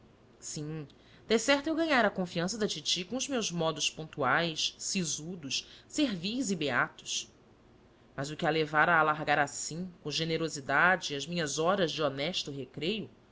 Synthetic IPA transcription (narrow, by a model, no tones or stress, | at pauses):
sĩ | d̪̥ɛsɛɾt̪ewɡɐ̃ɲaɾɐkõfiɐ̃sɐd̪ɐt͡ʃit͡ʃikõʊzmewzmɔd̪ʊspõnt̪uajssizud̪ʊʃseɾvijzibeat̪ʊ̥ʃ | mɐzʊkɪalevaɾaːlaɾɡaɾasĩkõʒeneɾozid̪ad͡ʒɪiɐzmĩɲɐzɔɾɐzd͡ʒɪonɛʃt̪ʊɦekɾejʊ